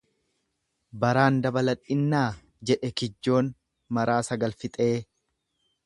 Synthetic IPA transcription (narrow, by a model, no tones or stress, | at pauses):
bɐɾaːnd̪ɐbɐlɐᶑːɪnːaː | d͡ʒɛᶑɛkɪd͡ʒːo̞ːn | mɐɾaːsɐɡɐlfɪt̪ʼe̞ː